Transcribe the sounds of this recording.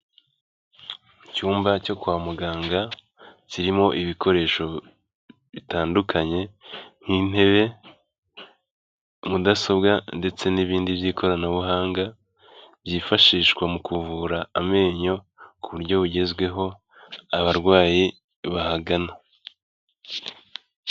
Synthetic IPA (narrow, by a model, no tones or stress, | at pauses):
cuːmbaco̞kuaːmuɡaːŋɡa | ciɾimo̞ʔiβikʰo̞ɾe̞ːʃo̞ | βitaːndukʰaɲe̞n̥hin̥e̞βe̞ | mudasobɡande̞t͡se̞niβiːndiβjiːkʰo̞ɾanaβuɦaːŋɡa | βjiːfaʃiːʃɡwamukuvuɾaːme̞ːɲo̞ | kuβuɾɟo̞βuɟe̞zɡwe̞ɦo̞ | aβaɾɡwaːji | βahaɡana